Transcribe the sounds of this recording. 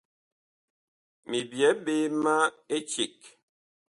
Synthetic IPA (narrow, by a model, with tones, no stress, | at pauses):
mi˨bjɛ˨˦ɓe˦ma˦e˦t͡ʃi˨k